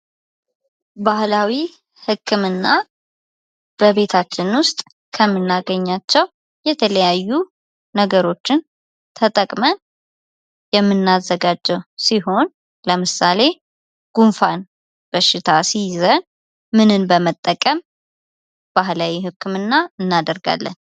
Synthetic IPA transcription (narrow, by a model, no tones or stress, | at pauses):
bahlawi | hɨkʰːɨmɨnːa | b̥əβe̞t̪ʰat͡ʃːɪnwʊst̪ʼ | kʰəmːɨnːaɡəɲːat͡ʃːɛw | jɛt̪ʰələjajːu | nəɡəɾo̞t͡ʃːɪn | t̪ʰət̪ʼəkʼmən | jɛmːɨnːazːəɡad͡ʒːɛwsiɦo̞n | ləmɨsale̞ | ɡ̥unfan | b̥əʃɪt̪ʰasizən | mɨnɨnbəmət̪ʼːəkʼəm | b̥ahlawihɨkʰːɨmɨnːaɨnːad̪əɾɡa̰lːə̰n